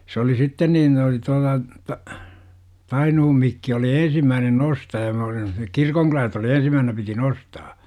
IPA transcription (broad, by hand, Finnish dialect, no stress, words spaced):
sĕ oli sitːen niːn oli tuɑlɑ tɑinuhum mikːi oli ẽːsimːæːnen nostɑjɑ me olimˑɑ sinːek kirkoŋkylælt oli ensimːæːhnæ piti nostɑː